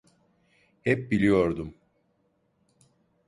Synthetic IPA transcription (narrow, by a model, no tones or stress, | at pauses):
hɛp̚bilʲijo̞ɾd̪um